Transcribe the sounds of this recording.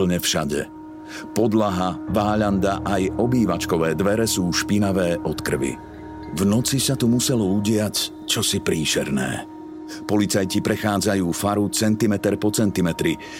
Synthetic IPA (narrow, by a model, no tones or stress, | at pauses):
l̩ɲɛfʃaɟɛ̰ | pɔd̪laɦaʋaːʎand̪aʔajɔbiːʋat͡ʃkɔʋɛːd̪ʋɛɾɛsuːʃpinaʋɛːʔɔt̪kr̩ʋḭ | vnɔt͡sisat̪umusɛlɔuɟɪac | t͡ʃɔsipɾiːʃɛɾnɛ̰ː | pɔlit͡sajcipɾɛxaːd͡zajuːfaɾut͡sɛnt̪imɛt̪ɛɾpɔt͡sɛnt̪imɛt̪ɾi